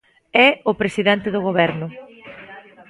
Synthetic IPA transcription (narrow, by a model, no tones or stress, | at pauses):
ɛʊpɾesiðɛnt̪ɪðʊɣ̞oβɛɾnʊ